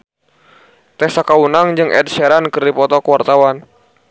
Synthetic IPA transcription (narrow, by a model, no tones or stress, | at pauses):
t̪ɛsakaunaŋd͡ʒɨŋʔɛ̰d̚ʃɛɾankɨrdipɔt̪ɔkəwart̪awan